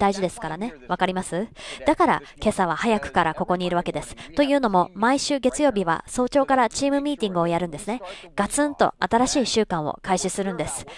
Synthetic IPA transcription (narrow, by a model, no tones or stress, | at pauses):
d̪aiʑid̪e̞sɨ̥kaɾane̞βakaɾʲimasɨd̪̥akaɾa̰ke̞saβ̞ahajakɯ̟̥kaɾako̞ko̞ɲ̟iːɾɯ̟βake̞d̪e̞sɨ̥t̪o̞jɯ̟ːno̞mo̞maiɕɨːɡe̞t͡sɨjo̞ːbʲiβa̰so̞ːt͡ɕo̞ːkaɾat͡ɕiːmɯ̟mʲiːt̪ʲĩŋɡɯo̞jaɾɯ̟̃nd̪e̞sɨne̞ɡ̥at͡sɨ̃nt̪o̞̰ʔat̪aɾaɕiːɕɨːkãɰ̃o̰kaiɕisɨɾɯ̟̃nd̪e̞sɨ̥